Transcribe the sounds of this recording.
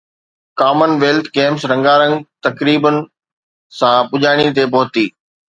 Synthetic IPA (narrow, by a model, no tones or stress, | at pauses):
kaːmənʋeːlt̪ʰɡeːmsɾɐ̃ŋɡaːɾə̃ŋɡt̪ɐkɾiːbənɪ̆ | sãpʊʄaːɽ̃ĩt̪̬epɔɦʊt̪iː